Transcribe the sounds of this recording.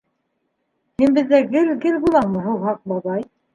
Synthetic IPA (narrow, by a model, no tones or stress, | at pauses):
hɘnbɘ̆ðːæɡɘ̆lɡɘlbulˠɑɴmɤ̆ɦuwɦɑq̚bɑβɑj